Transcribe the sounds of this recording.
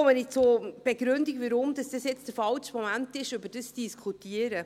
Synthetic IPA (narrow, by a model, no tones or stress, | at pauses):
omənɪt͡sob̥eɡɾʉndiɡʋəɾʊmd̥ɑsd̥əsjɛt͡sd̥əfɑlʃmɔmæntɪʃʏbəɾd̥əsd̥iskʰutiəɾə